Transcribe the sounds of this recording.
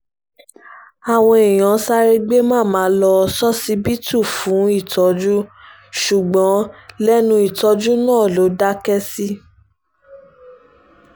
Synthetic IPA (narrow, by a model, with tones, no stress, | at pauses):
a˨w̃ɔ̃˧e˨j̃ã˨˦sa˦ɾe˦ɡ͡be˦mãː˦˨mãː˨˦lɔ˧sɔ˦si˦bi˦tu˦˨fũ˨˦i˦˨tɔ˨˦d͡ʒu˦ | ʃu˨ɡ͡bɔ̃˨˦lɛ˦nũ˧i˨tɔ˧˦d͡ʒu˦nãː˦˨lo˨˦da˦kɛ˦si˦